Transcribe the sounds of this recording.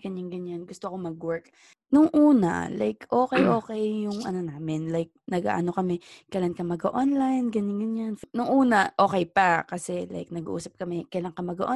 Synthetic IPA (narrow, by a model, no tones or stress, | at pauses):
ɡ̥ɐɲaŋɡɐɲːanɡʊst̪oɐko̞mɐɡwɛɹk | nʊŋʔuːna̰la̰jkʔoːkɛjʔo̞ːkɛjːʊŋʔɐnonaːmɪnlajk̚nɐɡa̰ːʔano̞kɐmɛkɐjlaŋkɐmɐɡɐ̰ʔonlajnɡɐɲːanɡɐɲanfnʊŋʔuːnɐʔo̞ːkɛjpakɐsɛla̰jk̚nɐɡṵʔṵːsɐp̚kɐmɛkɐjlaŋkɐmɐɡɐʔo